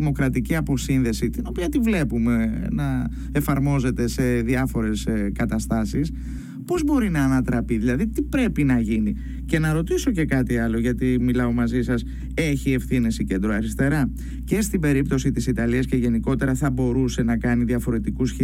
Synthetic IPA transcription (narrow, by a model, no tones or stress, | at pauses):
imo̞kɾɐt̪iciɐpo̞sinðe̞sit̪ino̞piɐt̪ivle̞pume̞nɐ | e̞fɐɾmo̞ze̞t̪e̞se̞ðiɐfo̞ɾe̞skɐt̪ɐst̪ɐsis | po̞zbo̞ɾinɐːnɐt̪ɾɐpiðilɐðit̪ipɾe̞pinɐʝini | ce̞nɐɾo̞t̪iso̞ce̞kɐt̪iɐlo̞ʝɐt̪imilɐo̞mɐzisɐs | e̞çie̞fθine̞sicend̪ɾoɐɾist̪e̞ɾɐ | ce̞st̪ibe̞ɾipt̪o̞sit̪isit̪ɐliɐsce̞ʝe̞niko̞t̪e̞ɾɐθɐbo̞ɾuse̞nɐkɐniðiɐfo̞ɾe̞t̪ikusçe